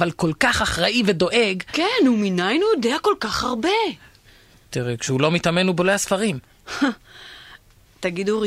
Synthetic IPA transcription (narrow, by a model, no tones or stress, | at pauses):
valko̞lkaχaχʁaʔivedo̞ʔe̞ɡkenuminajnujodeako̞lkaχhaʁbe̞ | t̪iʁekʃehulo̞mit̪amenubolehasfaʁim | t̪aɡid̪uʁi